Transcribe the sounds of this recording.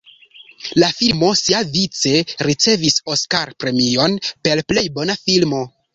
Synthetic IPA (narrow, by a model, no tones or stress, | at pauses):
lafilmo̞siavit͡se̞ɾit͡se̞viso̞skaɾpɾe̞mio̞npe̞lple̞jbo̞nafilmo̞